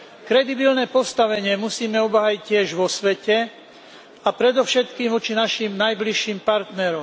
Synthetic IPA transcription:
kɾɛd̪ibilnɛːpɔst̪aʋɛɲɪɛmusiːmɛɔbɦajiccɪɛʒʋɔsʋɛcɛ | apɾɛd̪ɔfʃɛt̪kiːmʋɔt͡ʃinaʃimnajbliʃːiːmpaɾt̪nɛɾɔm

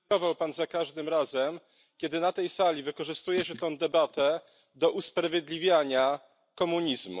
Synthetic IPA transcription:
ɔvawpanzakaʐd̪ɘmɾazɛm | kʲɛd̪ɘnat̪ɛjsalʲivɘkɔʐɘst̪ujɛɕɛt̪ɔ̃w̃d̪ɛbat̪ɛ | d̪ɔʔuspɾavʲjɛd̪lʲivʲjaɲa | kɔmuɲizmṵ

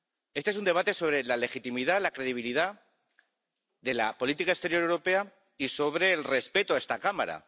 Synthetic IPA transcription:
est̪eesund̪e̞βat̪e̞so̞β̞ɾe̞lale̞xit̪imiðalakɾe̞ðiβ̞iliða | ðe̞lapo̞lit̪ikaest̪e̞ɾjo̞ɾewɾo̞pe̞a | iso̞β̞ɾe̞ːlre̞spe̞t̪oae̞st̪akama̰ɾa̰

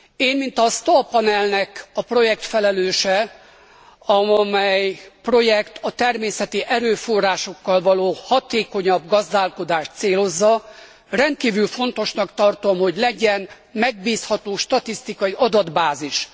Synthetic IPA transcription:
eːnmint̪ɒst̪opːɒnɛlnɛkɒpro̞jɛk̚t̪fɛlɛløːʃɛ | ɒmɛjpro̞jɛkt̪ʰɒt̪ɛrmeːsɛt̪iʔɛɾøːfo̞rːaːʃo̞kːɒlvɒloːhɒt̪eːko̞ɲɒbɡɒzd̪aːlko̞d̪aːʃt̪seːlo̞zːɒ | rɛnt̪̚kiːvylfo̞nt̪o̞ʃnɒkt̪ɒrt̪o̞mho̞ɟlɛɟɛn | mɛɡ̚biːshɒt̪oːʃt̪ɒt̪ist̪ikɒjiʔɒd̪ɒd̪baːziʃ

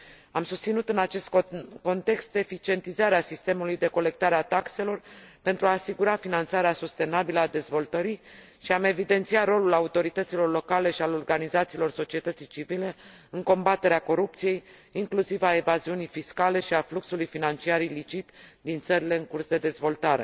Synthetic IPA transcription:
amsust̪sinut̪ɨnat͡ʃe̞st̪ko̞nt̪e̞kst̪d̪efit͡ʃie̞nt̪izaɾeasist̪e̞mulujd̪e̞ko̞le̞k̚t̪aɾeat̪akse̞lo̞rpe̞nt̪ɾuaːsiɡuɾafinant̪saɾeasust̪e̞nabiləad̪e̞zvo̞lt̪əɾi | ʃiame̞vid̪e̞nt̪siat̪ro̞lulaut̪o̞ɾit̪ət̪silo̞rlo̞kale̞ʃialo̞rɡanizat̪silo̞rso̞t͡ʃie̞t̪ət̪sijt͡ʃivile̞ | ɨŋko̞mbat̪e̞ɾeako̞ɾup̚t̪sije̞j | iŋklusivae̞vaziunijfiskale̞ʃiafluksulujfinant͡ʃiaɾilit͡ʃit̪d̪int̪səɾile̞ɨŋkursd̪e̞d̪e̞zvo̞lt̪aɾe̞̰

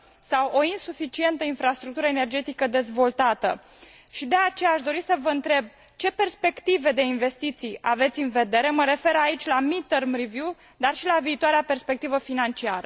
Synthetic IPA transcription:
sawʔo̞insufit͡ʃie̞nt̪əinfɾast̪ɾukt̪uɾəene̞rd͡ʒe̞t̪ikəd̪e̞zvo̞lt̪at̪ə̰ | ʃid̪e̞at͡ʃe̞jaaʃd̪o̞ɾisəvəɨnt̪ɾe̞b̚ | t͡ʃe̞pe̞rspe̞kt̪ive̞d̪e̞inve̞st̪it̪sija̰ve̞t̪sʲɨnve̞d̪e̞ɾeməɾe̞fe̞ɾait͡ʃʲlamit̪ərmrivju | d̪arʃilaviːt̪oaɾeape̞rspe̞k̚t̪ivəfinant͡ʃiaɾə

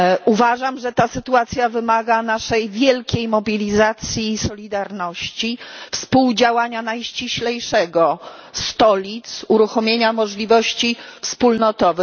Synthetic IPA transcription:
uvaʐamʐɛt̪asɘt̪uat̪sʲjavɘmaɡanaʂɛjvʲjɛlkʲejmɔbʲilʲizat̪sʲjiːsɔlʲid̪aɾnɔɕt͡ɕifspuwd͡ʑawaɲanajɕt͡ɕiɕlɛjʂɛɡɔ | st̪ɔlʲit̪suɾuxɔmʲjeɲamɔʐlʲivɔɕt͡ɕifspulnɔt̪ɔvɘ

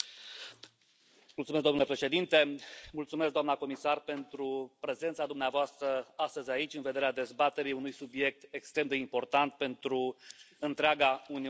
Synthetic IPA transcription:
mult̪sumes̬kd̪omnulepɾe̞ʃe̞d̪int̪e̞mult̪sumesk̚ɡd̪oamnako̞misarpe̞nt̪ɾupɾe̞ze̞nt̪sad̪umneavoast̪ɾəast̪əzʲait͡ʃʲɨnved̪e̞ɾead̪e̞zbat̪e̞ɾiunujsubje̞k̚t̪ekst̪ɾe̞md̪e̞impo̞rt̪ant̪̚pe̞nt̪ɾu | ɨnt̪ɾeaɡauni

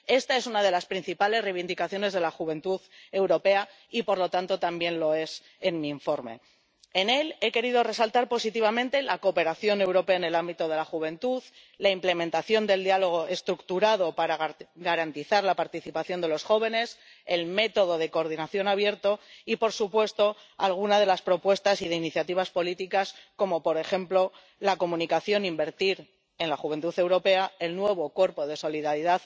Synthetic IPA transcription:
e̞st̪aesunað̞e̞laspɾin̟θipale̞sreβind̪ikaθjo̞ne̞zð̞e̞laxuβẽ̞nt̪uðe̞wɾo̞pe̞a | ipo̞ɾlo̞t̪ant̪ot̪ambje̞nlo̞e̞s | e̞nmĩːɱfo̞ɾme̞̰ | ene̞le̞ke̞ɾiðo̞re̞salt̪aɾpo̞sit̪iβ̞amẽ̞nt̪e̞lako̞pe̞ɾaθjo̞ne̞wɾo̞pe̞aene̞lambit̪o̞ð̞e̞laxuβ̞e̞nt̪uð | laimple̞mẽ̞nt̪aθjo̞nd̪e̞ld̪ialo̞ɣ̞o̞ʔe̞st̪ɾukt̪uɾaðo̞paɾaɡaɾant̪iθaɾlapaɾt̪iθipaθjo̞nd̪e̞lo̞sxo̞β̞e̞ne̞s | e̞lme̞t̪o̞ðo̞ð̞e̞koɾðinaθjo̞naβje̞ɾt̪o̞ipo̞ɾsupwe̞st̪o̞ | alɣ̞unað̞e̞laspɾo̞pwe̞st̪asiðe̞iniθjat̪iβ̞aspo̞lit̪ikasko̞mo̞po̞ɾe̞xe̞mplo̞ | lako̞mũnikaθjo̞nimbe̞ɾt̪iɾ | e̞nlaχuβe̞nt̪uθe̞wɾo̞pe̞ae̞lnwe̞β̞o̞kwo̞ɾpo̞ðe̞so̞liðaɾiðað

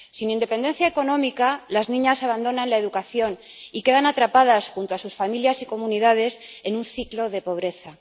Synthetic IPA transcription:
sinĩnd̪e̞pe̞nd̪e̞nθjaeko̞nõ̞mikalaznĩɲasaβand̪o̞nãnlae̞ðukaθjo̞nike̞ðanat̪ɾapaðasxunt̪oasusfamiljasiko̞muniðað̞e̞se̞nunθiklo̞ðe̞po̞β̞ɾe̞θa

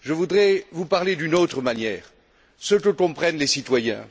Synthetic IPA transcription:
ʒəvud̪ʁɛvupaʁled̪ynot̪χəmanjɛːʁ | səkəkɔ̃pχɛnlesit̪wajɛ̰̃

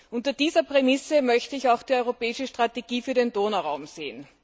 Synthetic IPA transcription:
ʔʊntɐd̥iːzɐpʁ̥emɪsəmœçtəɪçaʊxd̥iːɔʏʁopɛːɪʃəʃtʁ̥ateɡ̥iːfyːɐɾendoːnaʁaʊmz̥eːən

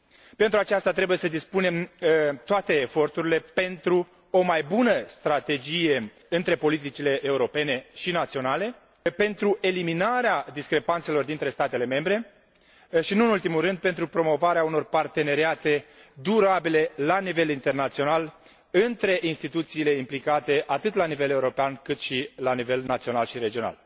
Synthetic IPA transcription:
pent̪ɾuat͡ʃast̪at̪ɾe̞buje̞səd̪ispune̞mt̪oat̪e̞ːfo̞rt̪uɾile̞pe̞nt̪ɾu | o̞majbunəst̪ɾat̪e̞d͡ʒije̞ | ɨnt̪ɾe̞po̞lit̪it͡ʃile̞ʔeuɾo̞pe̞ne̞ʃinat̪sio̞nale̞ | pe̞nt̪ɾuʔe̞liminaɾead̪iskɾe̞pant̪se̞lo̞rd̪int̪ɾe̞st̪at̪e̞le̞me̞mbɾe̞ | ʃinuɨnult̪imulɾɨnd̪̚pe̞nt̪ɾupɾo̞mo̞vaɾeauno̞rpart̪e̞ne̞ɾiat̪e̞d̪uɾabile̞lanive̞lint̪e̞rnat̪sio̞nal | ɨnt̪ɾe̞ʔinst̪it̪ut̪siːle̞implikat̪e̞ʔat̪ɨt̪lanive̞le̞uɾo̞peankɨt̪ʃilanive̞lnat̪sio̞nalʃiɾe̞d͡ʒio̞na̰l

